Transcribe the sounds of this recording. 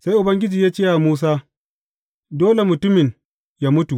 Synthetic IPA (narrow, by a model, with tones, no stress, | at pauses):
sa˦jʔʊ˨bɐ˦ŋɡʲɪ˦d͡ʒiː˨jaː˦t͡ʃe˦ja˨muː˦s̬aː˦ | doː˦le˨mʊ˨tʊ˦mɪ˨ɲ | ja˦mʊ˦tu˨ʔ